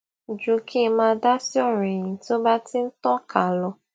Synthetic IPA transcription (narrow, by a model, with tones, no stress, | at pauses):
d͡ʒu˨kʰi˦˧mãː˧˦da˦si˦ɔ˦˨ɾe˨j̃ĩ˨to˦ba˦ti˦n̩˦tɔ˦ka˨lɔ˧